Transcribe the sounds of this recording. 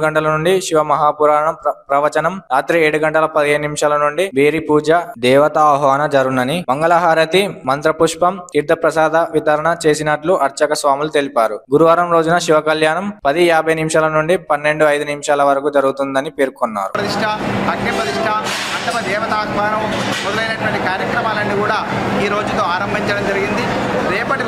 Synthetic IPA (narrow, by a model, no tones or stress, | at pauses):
ɡɐɳʈɐlɐnuɳɖiʃiʋɐmɐɦaːpuɾaːɳɐmpɾɐʋɐt͡ʃɐnɐmɾaːt̪ɾieːɽuɡɐɳʈɐlɐpɐd̪iɦeːnnimʂaːlɐnuɳɖibeːɾipuːd͡ʒɐd̪ɛːʋɐt̪ɐːɦʋaːnɐd͡ʒɐɾunɐnimɐŋɡɐlɐɦaːɾɐt̪imɐnt̪ɾɐpuʂpɐmkiɾd̪ʱɐpɾɐsaːd̪ɐʋit̪ɐɾɐɳɐt͡ʃeːsinɐʈluʔɐɾt͡ʃɐkɐsʋaːmulut̪e̞lipaːɾuɡuɾuʋaːɾɐmɾo̞ːd͡ʒunɐʃiʋɐkɐljaːnɐmpɐd̪iaːbʱɐjnimʂaːlɐnuɳɖipɐnːe̞ɳɖuɐjd̪unimʂaːlɐʋɐɾɐkuːd͡ʒɐɾuɡut̪und̪ɐnipeːɾkonːa̰ːɾupɾɐt̪iʂʈʰɐɦɐkːɐpɾɐt̪iʂʈʰɐɐɳʈɐmɐd̪ɛːʋɐt̪aːkʋaːnɐmmɔd̪ɐlɐjnɐʈuʋɐɳʈikaːɾjɐkɾɐmaːlɐnːikuːɽaː | iːɾo̞ːd͡ʒut̪oːaːɾɐmbʱiɲt͡ʃɐɽɐmd͡ʒɐɾiɡind̪i | ɾɛːpɐʈi